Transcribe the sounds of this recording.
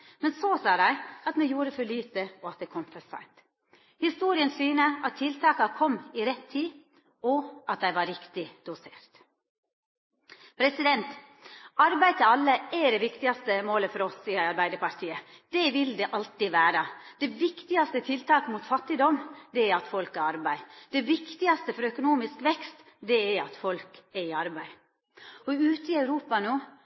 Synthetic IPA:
mɛnsɔsɑːd̪æɪɑt̪mɛjuːɾəfɔɭyːt̪əɔɑt̪̚d̪ɛkʰɔmfɔsæ̰ɪmt̪ | hɪst̪uːɾɪənsyːnəʔɑt̪ʰːɪlt̪ʰɑːkɑkʰɔmːɪɾɛt̪ʰːiː | ɔɑt̪̚d̪æɪʋɑɾɪkt̪ɪd̪̥ʊseːɾt̪ | pʰɾɛsɪd̪ɛnt̪ | ɑɾbæɪt̪əɑlːəæɖɛʋɪkt̪ɪɑst̪əmoːləfɔɾɔssiːəɑɾbæɪd̪əɾpɑɾt̪ʰiːəd̪̥ɛʋɪld̪ɛʔɑlt̪iʋæːɾɑd̪̥ɛʋɪkt̪ɪɑst̪ət̪ʰɪlt̪ʰɑːkmuːt̪fɑt̪ːɪd̪ɔmd̪ɛæɾɑt̪fɔlkæɾɑɾbæɪd̪̥ɛʋɪkt̪ɪɑst̪əfɔɾœkʊnuːmɪskʋɛkst̪ | d̪ɛæɾɑt̪fɔlkɛɾɪɑɾbæɪ | ɔʉːt̪əɪɑʉɾuːpɑnoː

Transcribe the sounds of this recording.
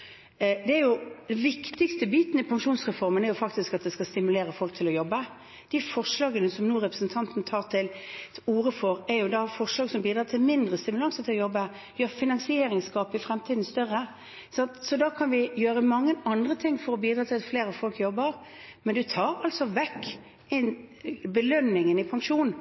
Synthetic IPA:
d̪ɛæɾjʊd̪ɛnʋɪkt̪ɪɡst̪əbiːt̪ənəɪpʰɑŋkʃuːnsʁɛfɔɾmənɛɾjʊfɑkt̪ɪskɑt̪̚d̪ɛskɑst̪ɪmʉleːɾəfɔlk̚t̪ʰɪlɔjɔbːə | d̪̥ɪfɔʁʂlɑːɡənəsɔmnuːɾɛpɾəsn̩t̪ʰɑnt̪n̩t̪ʰɑːʁt̪ʰɪluːɾəfɔɾɛɾjʊd̪ɑfɔʁʂlɑːɡsɔmbiːd̪ɾɑːt̪ʰɪlmɪnd̪ʁəst̪ɪmʉlɑŋsət̪ʰɪlɔjɔbːə | jøːɾfɪnɑŋsɪeːɾɪŋskɑːpɪfɾɛmt̪ʰiːd̪n̩st̪œʁːə | sɑnt̪sɔd̪ɑːkʰɑnʋɪjøːɾəmɑŋːəɑnd̪ɾət̪ʰɪŋːfɔɾɔbiːd̪ɾɑːt̪ʰɪlfleːɾəfɔlkjɔbːəɾ | mɛnd̪ʉt̪ʰɑːɾɑlt̪sɔʋɛkː | ɪnbəlœnːɪŋənɪpʰɑŋʂuːn

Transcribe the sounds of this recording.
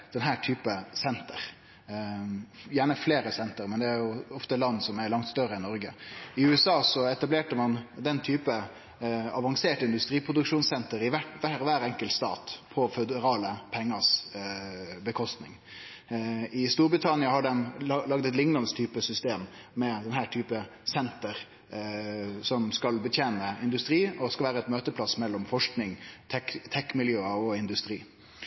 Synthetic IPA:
d̪̥ɛnɦæːʈʰyːpəsɛnt̪ə̰ɾ | jæːɳəfleːɾəsɛnt̪əɾmɛnd̪ɛæɾjʊɔft̪əlɑnːsɔmæɾɭɑŋt̪st̪œɾəɛnnːɔɾɡə̰ɪʉːɛsɑːsɔɛt̪ɑbleːʈəmɑnd̪ɛnt̪ʰyːpə | ɑʋɑŋseːʈɪnd̪ʉst̪ɾiːpʰɾʊd̪ʉkʂuːnsɛnt̪əɾɪʋæʋæɾʋæːɾɛŋkəlt̪st̪ɑ̰ːt̪pʰɔfɛd̪əɾɑːləpʰɛŋːəs | bəkʰɔst̪nɪŋ | ɪst̪uːɾbɾɪt̪ʰɑnɪɑhɑɖɛnlɑɡd̪ɛt̪lɪŋːlɑnst̪ʰyːpəsʏst̪eːmːɛd̪ɛnhæːʈʰyːpəsɛnt̪əɾ | sɔmskɑlbət̪ʰjeːnəɪnd̪ʉst̪ɾiːɔskɑlʋæːɾəɛt̪møːt̪əpʰlɑsmɛlːɔmfɔʂknɪŋt̪ʰɛkt̪ʰɛkmɪljøːəɔɪnd̪ʉst̪ɾiː

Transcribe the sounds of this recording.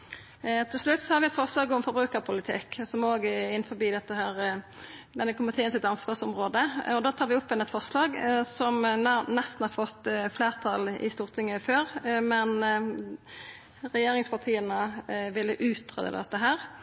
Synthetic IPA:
t̪ʰɪlslʉt̪ːsɔhɑɾʋɪɛt̪fɔʁslɑːɡɔmfɔɾbɾʉːkəɾpʰʊlɪt̪ʰɪ̰ksɔmoːɡəɪnːfɔɾbiːd̪ɛt̪ːəɦæːɾ | d̪ɛnːəkʰʊmɪt̪ʰeːənsɪt̪ɑnsʋɑːʁsɔmʁoːd̪əɔd̪oːt̪ʰɑːɾʋɪʊpːɛnɛt̪fɔɾslɑːɡsɔmnɛst̪n̩hɑɾfɔt̪ːfleːʁt̪ʰɑlɪ̰st̪uːʁt̪ʰɪŋːəføːʁmɛn | ɾɛjeːɾɪŋspʰɑt̪ʰiːənəʋɪlːəʔʉːt̪ʁḛːd̪ə̰ləd̪ɛt̪ːəɦæːɾ

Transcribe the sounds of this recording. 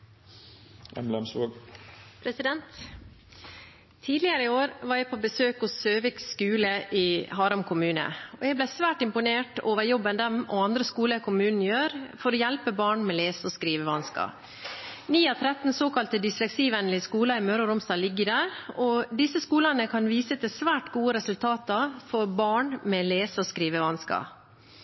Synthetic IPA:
ʔɛmlɛmsʋoːɡpʰɾɛsɪd̪ɛnt̪ | iːd̪lɪəɾəɪoːɾʋɑːɾjæɪpʰobəsøːkɔsøːʋɪkskʉːləʔɪːhɑːɾʉmkʰʊmʉːnə̰ɔjɛɪblæɪsʋæːʈɪmpʊneːʈoːʋəɾjɔbːənd̪ɛmɔɑnd̪ɾəskuːləkʰʊmʉːnn̩jøːɾfɔɾɔjɛlpəbɑːɳmɛleːsəɔskɾiːʋəʋɑnskɑ̰ | niːɑt̪ʰɾɛt̪ːn̩soːkɑlt̪əd̪ɪslɛksiːʋɛnlɪskuːlɑɪmøːɾɔɾʊmst̪ɑːlɪɡːəɖ̪æːɾɔd̪ɪsːəskuːlɑnəkʰɑnʋiːsət̪ʰɪsʋæːʈɡuːəɾɛsʉlt̪ʰɑːt̪ɑfɔɾbɑːɳmɛleːsəɔskɾiːʋəʋɑnskɑ̰

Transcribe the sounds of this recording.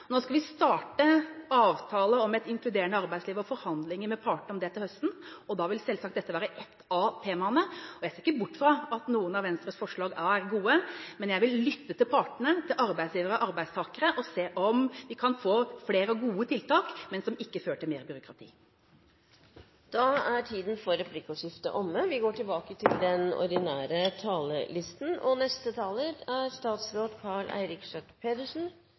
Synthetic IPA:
noːskɑlʋɪst̪ɑːʈəɑːʋt̪ʰɑːləɔmɛt̪ɪŋklʉd̪eːəɳəɑɾbæɪsliːʋɾɔfɔɾhɑnd̪lɪŋəmɛpʰɑːʈɳ̩əɔmd̪ɛt̪ɪlhœst̪n̩ɔd̪ɑːʋɪlsɛlsɑkt̪d̪ɛt̪ːəʋæːɾəʔɛt̪ːɑt̪ʰeːmɑnəɔjæɪseːɾɪkːəbʊʈːfɾɑɑt̪nuːənɑʋɛnst̪ɾəsfɔʂɭɑːɡææɾɡuːəmɛnjæɪʋɪlːʏt̪ːət̪ɪlpʰɑʈɳət̪ʰɪlʔɑɾbæɪsjiːʋəɾɔʔɑɾbæɪst̪ʰɑːkəɾəʔɔseːʔɔmʋɪkʰɑnfoːfleːɾəɔɡuːət̪ʰɪlt̪ʰɑːkmɛnsdɔmɪkːəføːʈʰɪlmeːɾbʏɾʊkʰɾɑt̪ʰḭː | d̪̥ɑæʈʰiːd̪n̩fɔɾɛpʰlɪkʊʂɪft̪ə̰ʔɔmːəʋɪɡoːʈɪlbɑːkət̪ʰɪld̪ɛnɔ̰ɾɖ̪ɪnæːɾət̪ʰɑːləlɪst̪n̩ɔnɛst̪ət̪ʰɑːləɾæɾst̪ɑːt̪sɾoːt̪kʰɑɭæ̰ɪɾɪkʂɛk̪pʰeːd̪əʂn̩

